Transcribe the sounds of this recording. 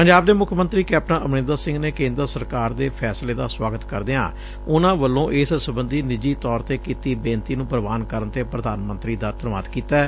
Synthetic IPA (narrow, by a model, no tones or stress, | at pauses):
pəɲd͡ʒaːbd̪eːmʊkʰmə̃nt̪ɾiːkɛːp̚nãʔəmnẽːnd̪əsɪ̃ŋɡneːkẽːnd̪əɾsəɾkaːɾd̪eːpʰɛːsleːd̪a̰ːswaːɡət̪kəɾd̪eã̰ː | ʊnãːʋəlːõːʔɪssəbənd̪iːnɪd͡ʒiːt̪ɔːɾt̪eːkiːt̪iːbẽːnt̪iːnũːpəɾəʋaːnkəɾənt̪eːpɾəd̪aːnmə̃nt̪ɾiːd̪aːt̪əɾʋaːt̪kiːt̪aː